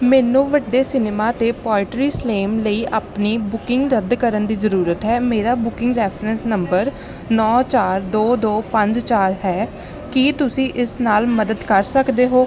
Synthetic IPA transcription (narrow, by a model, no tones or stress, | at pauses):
mɛːnũːʋəɖːeːsɪneːmaːt̪eːpɔːɪʈɾiːsleːmləiːʔaːpniːbʊkɪŋɡɾəd̪kəɾənd̪iːzəɾuːɾət̪ɦɛːmeːɾaːbʊkɪ̃ŋɡɾɛːpʰɾənsnəmbəɾ | nɔːt͡ʃaːɾd̪oːd̪oːpə̃ɲd͡ʒt͡ʃaːɾɦɛː | kit̪ʊsĩːʔɪsnaːlməd̪əd̪kəɾsəkd̪eːɦoː